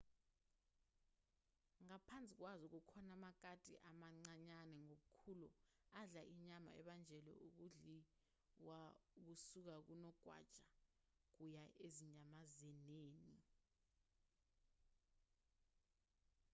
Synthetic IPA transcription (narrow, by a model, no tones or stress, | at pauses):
ŋapʰant͡sʼik̬wazɔk̬ukʰɔnamak̬atʼḭʔamaŋ͡ǀaɲanɛŋoɓukʰuluaɮaʔiɲama̰ɛ̰ɓand͡ʒʱɛlɔ̰uk̬uɮi | wauk̬usuk̬ak̬unɔɡ̥ʱwa̰d̥ʒ̥ʼa | k̬ujaʔeziɲamazɛneːni